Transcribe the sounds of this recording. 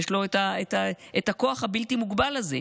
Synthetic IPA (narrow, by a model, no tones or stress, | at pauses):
eʃlo̞etaetaetako̞aχhabiltimuɡbalːazḛ